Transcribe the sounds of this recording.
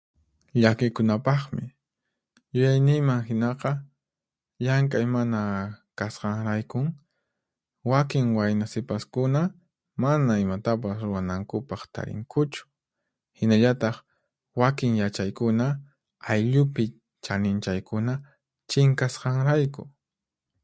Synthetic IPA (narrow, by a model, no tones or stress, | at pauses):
ʎakɪkʊnapɑχmɪ̰ | jʊjajnɪŋmaŋɦɪnɑqɑ | ʎaŋkʼajmanakasqɑŋɾajkʊŋ | wakɪŋwajnasɪpaskʊna | manaɪmat̪ap̬asɾʊwanaŋkʊpɑχt̪a̰ɾɪ̰ŋkʰʊt͡ʃʊ̥ | hɪnaʎat̪ɑχ | wakɪŋjat͡ʃajkʊna | ajʎʊpɪ | t͡ʃanɪnt͡ʃajkʊna | t͡ʃɪŋkasqɑŋɾajkʊ̰